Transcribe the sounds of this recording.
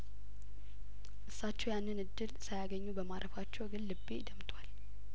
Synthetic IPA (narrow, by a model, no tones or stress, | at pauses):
ʔɨsːat͡ʃːɛwjanːɨnɨd̪ːɨlsajaɡəɲːubəmaɾʔəfat͡ʃːɛwɡɨlːɨbed̪əmt̪ʰwal